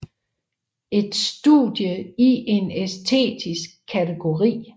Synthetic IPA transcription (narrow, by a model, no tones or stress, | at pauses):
e̝d̥sd̥ṵd̥jəiʔe̝nest͡sʰe̝̰ːdʰisɡ̥̚kʰːæt͡sʰeɡ̥o̝ʁḭː